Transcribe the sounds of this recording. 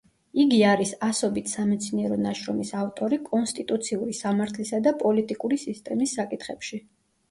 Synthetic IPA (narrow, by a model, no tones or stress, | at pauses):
iɡiaɾisasɔbit̪ʰsamɛt̪sʰniɛɾɔnaʃɾɔmisavt̪ʼɔɾikʼɔnst̪ʼit̪ʼut̪sʰiuɾisamaɾt̪ʰlisad̪apʼɔlit̪ʼikʼuɾisist̪ʼɛmisːakʼit̪ʰχɛpʃi